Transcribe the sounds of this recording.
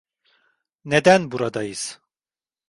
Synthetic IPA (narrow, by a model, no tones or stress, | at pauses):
ned̪ænbuɾad̪ajɯz̥